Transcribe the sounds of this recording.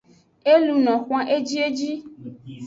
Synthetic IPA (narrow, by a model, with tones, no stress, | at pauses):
e˦lu˨nɔ̃˨xʷã˦ʔe˦d͡ʒi˦e˦d͡ʒi˦